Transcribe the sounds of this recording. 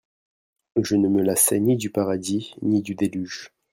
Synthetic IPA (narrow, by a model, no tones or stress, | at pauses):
ʒənəməlasɛnid̪ypaʁad̪inid̪yd̪elyʒ